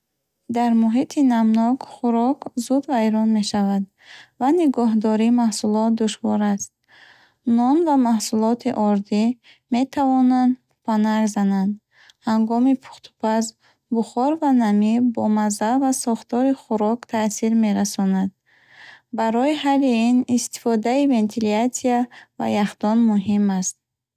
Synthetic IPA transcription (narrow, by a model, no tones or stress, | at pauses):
d̪aɾmuɦit̪ʰinamnɔɡχuɾɔkzud̪vajɾɔnme̞ʃavad̪ | vaniɡɔɦd̪ɔɾimahsulɔt̪̚d̪uʃvɔɾast̪̚ | nɔnvamahsulɔt̪ʰiʔɔɾd̪i | me̞t̪ʰavɔnand̪ | pʰanaɡzanand̪ | haŋɡɔmipʰu̥χt̪ʰu̥pʰaz | buχɔɾvanamibɔmazavasɔχt̪ɔɾiχuɾɔkt̪ʰasiɾme̞ɾasɔnad̪̥̚ | baɾɔiɦaliinist̪i̥fɔd̪aive̞nt̪ʰiliasiava̰jaχd̪ɔnmuɦimast̪̚